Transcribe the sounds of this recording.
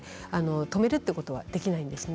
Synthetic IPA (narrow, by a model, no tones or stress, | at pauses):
ano̞t̪o̞me̞ɾɯ̟t̪ːeɯko̞t̪o̞βa̰d̪e̞kʲinaĩnd̪esɨn